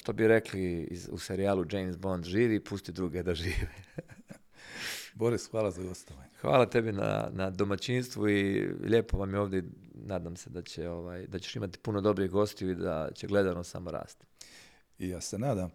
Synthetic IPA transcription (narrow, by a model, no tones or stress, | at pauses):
ʃt̪o̞biɾe̞kliḭzṵse̞ɾiaːlˠud͡ʒejmsbo̞nd̪ʒiːʋiːpust̪id̪ɾuːɡed̪aʒiːʋi | boɾisxʋaːlˠazaɡost̪oʋaɲxʋa̰ːlˠat̪e̞bina̰nad̪o̞mat͡ɕinst̪ʋuiʎeːpo̞ʋamjeo̞ːʋd̪enaːd̪amse̞d̪at͡ɕeoʋaːjd̪at͡ɕeʃimat̪i̥puno̞d̪o̞bɾiɣɡo̞st̪iuid̪a̰t͡ɕeɡle̞d̪anosa̰mo̞ɾa̰ːst̪ | ijaːsenaːd̪am